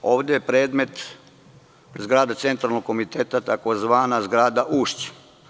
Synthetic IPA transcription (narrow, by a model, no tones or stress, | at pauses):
oːʋd̪ejepɾe̞ːd̪me̞t̪ | zɡɾaːd̪at̪se̞nt̪ɾalnoɡko̞mit̪eːt̪at̪akozʋaːnazɡɾaːd̪aʔuʃt͡ɕ